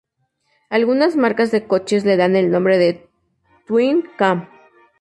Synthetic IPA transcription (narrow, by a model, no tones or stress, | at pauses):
alɣunazmaɾkazðe̞ko̞t͡ʃe̞zle̞ðane̞lnõmbɾeðe | t̪winkam